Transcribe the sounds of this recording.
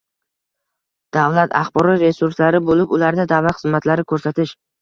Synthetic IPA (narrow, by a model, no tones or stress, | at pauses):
d̪̥avlat̪ʰa̰χbɒɾɒt̪ɾe̞suɾslaɾɪbolɪpʊlaɾd̪ad̪avlat̪χɨzmat̪ʰlaɾɪkʰɵɾsat̪ʰɪʃ